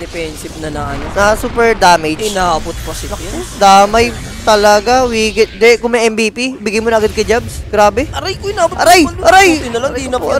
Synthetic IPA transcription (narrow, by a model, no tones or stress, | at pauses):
d̪ɛpɛnsɪb̚nɐnɐʔɐnonɐsuːpɛɹd̪aːmɛd͡ʒɪnaːbʊt̪̚pɐsɪɐd̪aːmɐj | t̪ɐlɐɡawiːɡɪt̪̚d̪ɛɛkʊŋmɛjʔɛmbiːpibɪɡajmonɐʔɐɡad̪̚kɐd͡ʒab̚sɡ̥ɾaːbɛʔɐɾajkoɪnaːbʊtɐɾajɐɾajɪnɐlɐŋinɐ